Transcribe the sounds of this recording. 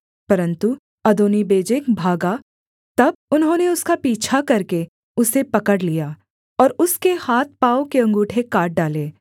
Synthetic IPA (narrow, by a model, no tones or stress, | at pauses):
pɐɾə̃nt̪u | ɐd̪oːnibeːd͡ʒekbʱaːɡa | t̪ɐb̚ʊnɦõːneʊskapiːt͡ʃʰakɐɾke | ʊsepɐkəɽlijaː | ɔːɾʊskehaːt̪̚ʰpaːõkeɐ̃ŋɡuːʈʰekaːʈ̚ɖaːleː